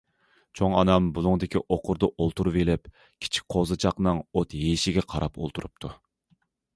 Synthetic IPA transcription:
t͡ʃʰoŋɑnɑmbulˠuŋd̪ɪkʲiʔoqʰʊɾd̪ɑʔolˠt̪ʰuɾuvelɪp | kʲʰi̥t͡ʃʰi̥k̚ʲqʰozɨt͡ʃʰɑqnɨŋot̪ɦeʃɪɡʲɛqʰɑɾʔɑpo̰lˠt̪ʰuɾup̚t̪ʰu

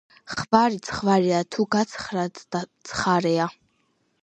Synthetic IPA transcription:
χbaɾit̪sʰχvaɾɛat̪ʰuɡat̪sʰχɾat̪at̪sʰχaɾɛa

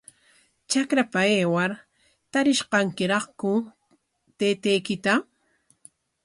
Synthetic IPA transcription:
t͡ʃakɾapaeːwaɾ | t̪aɾɪʃqɑŋkɪɾɑχkʊ | t̪eːt̪ejkɪt̪a

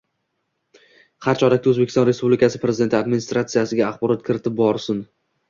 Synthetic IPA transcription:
haɾt͡ʃʰɒɾak̚ʲt̪aɵzbekʲɪ̥sɒnɾe̞spublɪkʰʲasɪ̥pɾeɪd̪e̞nɪad̪mɪnist̪ɾat̪sɨjasɪɡʲaːχbɒɾɒt̪̚kʰʲɪɾɪt̪ʰɪp̚bɒɾsɪn

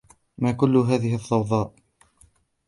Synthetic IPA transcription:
maːkʊlːʊɦaːðɪhɪθˤːɑwðˤɑːʔ

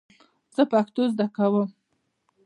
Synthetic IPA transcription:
z̥əpakt̪ozd̪akawəm

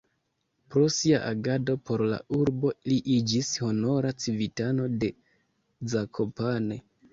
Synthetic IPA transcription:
pɾo̞siaʔaɡado̞po̞ɾla̰uɾbo̞liʔid͡ʒisho̞no̞ɾat͡sivitano̞de̞ | d͡zakʰo̞pane̞

